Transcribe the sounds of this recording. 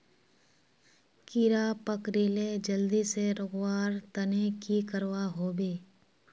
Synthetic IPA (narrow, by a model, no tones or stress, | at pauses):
kiɾapəkɾiːled͡ʒəld̪iseɾʊɣwaːɾt̪ənekikəɾwaɦoːbeː